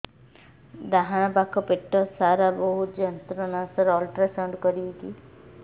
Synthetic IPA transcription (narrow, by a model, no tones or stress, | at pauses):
d̪aɦaɽ̃apakʰːɔpeʈːɔsaɾabɔɦut̪d͡ʒɔnt̪ɾɔnasɔɾɔlʈɾasɔɳɖkɔɾibiki